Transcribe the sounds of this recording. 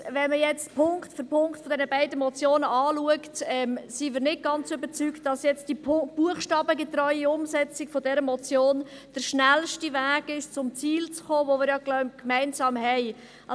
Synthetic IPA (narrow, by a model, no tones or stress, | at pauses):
vɛnməjɛt͡stpʰʊŋktfɔpʰʊŋkχtfɔdɛnəbæɪdəmɔt͡sjoːnəʔɑːluəktɛmsimɪːɾnɪt̚ɡ̥ɑnt͡sʏbət͡syktd̥ɑsjɛt͡std̥ib̥uəχʃtɑːbəɡet̪ɾɔʏiʊmsɛt͡sɪkfɔdɛɾəmɔt͡sjoːnd̥əɾʃnælʃtivæːɡɪʃt͡sʊmt͡siːlt͡sχoːvomɪːɾjɑklœʏmkmæɪnsɑːmɦɛɪ | ɑ